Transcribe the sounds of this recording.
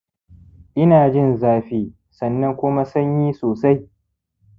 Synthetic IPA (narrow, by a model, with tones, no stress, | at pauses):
ʔɪ˦naː˨d͡ʒɪ˦˨nzaː˦ɸiː˦ | sɐ˨nːɐ˦ŋkʷʊ˦ma˦sɐ˦ɲjiː˦soː˨sa˦j